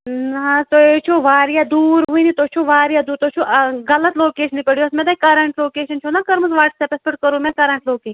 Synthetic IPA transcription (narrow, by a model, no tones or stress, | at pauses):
nɐt̪oeːt͡ʃʰoːʋaːɾijaːd̪uːɾɦuinit̪oːt͡ʃʰoːʋaːɾijaːd̪uːɾt̪oːt͡ʃʰoːʔɣɐlət̪loːkeːʃnipɐɽijoɐsmẽːd̪aikɐɾɐɳʈloːkeːʃɐnt͡ʃʰoːnakɐɾmɐzʋaːʈsepɐspəʈkɐɾũːmẽːkɐɾɐɳʈloːkeː